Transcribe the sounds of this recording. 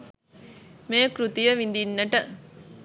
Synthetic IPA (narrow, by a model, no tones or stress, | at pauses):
meːkɾut̪ijɐʋind̪inːɐʈə